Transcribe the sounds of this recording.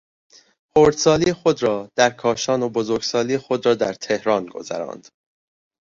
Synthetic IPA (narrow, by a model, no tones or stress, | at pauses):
xoːɾd̪̥sɒːlixo̞d̪ɾɒːd̪̥æɾkʰɒːʃɒːnobozoɾɡ̥sɒːliːxo̞d̪ɾɒːd̪æɾt̪ʰe̞hɾɒːnɡo̞̰zæ̰ɾɒ̰ːnd̪̥